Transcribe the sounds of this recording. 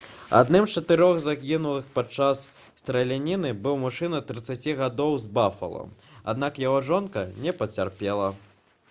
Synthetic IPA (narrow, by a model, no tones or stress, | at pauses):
a̰d̪nɨmst͡ʂɐt̪ɨɾɔɣzakʲinulˠɨxpat͡ʂːasː | t̪ɾɐlʲanʲinɨbɨwmuʂɨnɐt̪ɾɨt̪sat͡sʲiɣad̪ɔwzbafɐ̰lˠɐ̰ma̰d̪nakjaɣɔʐɔnkɐnʲɛpɐt͡sʲarpʲɛlˠɐ